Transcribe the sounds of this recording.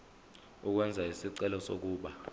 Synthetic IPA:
uk̬wɛnd͡zʱaisiǀɛlɔsok̬uːɓa

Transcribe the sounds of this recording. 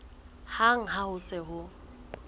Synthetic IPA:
haŋ̩ɦahʊsɪɦʊ

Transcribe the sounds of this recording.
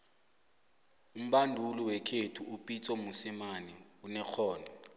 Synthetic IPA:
um̩ɓandʱuliwɛkʰetʰuupʼit͡sʼɔmusimaniunɛk͡xʰɔːna

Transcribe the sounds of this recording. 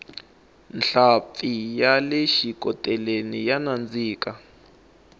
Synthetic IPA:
nɬapijalɛʃikɔtʼɛlenijanand͡ziːka

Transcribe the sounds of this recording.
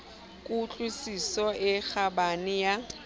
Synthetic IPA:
kʼut͡ɬʼusisɔʔɪk͡xʰabanɪja

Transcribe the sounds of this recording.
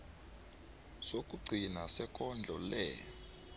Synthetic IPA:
sok̬ʼuɡ͡ǀʱinasɛkʼɔnd͡ɮʱɔlɛ̰

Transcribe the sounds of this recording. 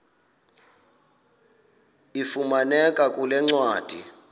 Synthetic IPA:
ifumanɛkʼakʼulɛŋ͡ǀwaːd̥ʱḭ

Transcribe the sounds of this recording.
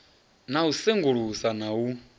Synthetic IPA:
nauseŋɡuɺusanau

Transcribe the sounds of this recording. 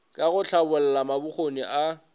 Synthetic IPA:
kʼaɣʊt͡ɬʰabʊl̩lamabʊχoniʔa

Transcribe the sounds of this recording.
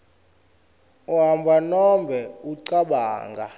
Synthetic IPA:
wɦambʱanɔmbʱɛuǀaɓa̰ːŋɡʱa̰

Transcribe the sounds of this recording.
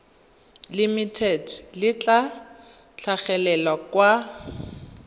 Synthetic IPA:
limitʰɛdlɪt͡ɬʼa | t͡ɬʰaχɛlɛlakwa

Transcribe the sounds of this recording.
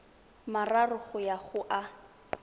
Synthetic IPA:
mararʊχʊjaχʊʔa

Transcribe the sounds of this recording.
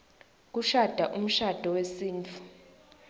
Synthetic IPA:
k̬uʃad̥ʱaʔum̩ʃad̥ʱɔwesiːnt͡fʰu̥

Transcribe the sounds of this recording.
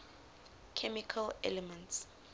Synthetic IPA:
kʰɛmikʰalɛ̰lɛmɛ̃nts

